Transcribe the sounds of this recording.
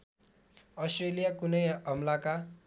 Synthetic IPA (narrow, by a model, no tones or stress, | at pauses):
ʌsʈrelijakunʌjʌmlaka